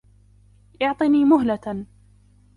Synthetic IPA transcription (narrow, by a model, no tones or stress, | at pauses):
ʔɑʕt̪ˤiniːmʊɦla